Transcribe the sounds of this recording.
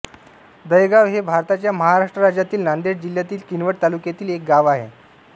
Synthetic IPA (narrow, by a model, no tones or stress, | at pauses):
d̪əjɡaʋɦebʱaɾt̪at͡ɕjaməɦaɾaʂʈɾəɾad͡ʑjat̪iːlnand̪eʈd͡ʑil̤jat̪iːlkinʋəʈ̚t̪alukjat̪iːlek̚ɡaʋaɦḛ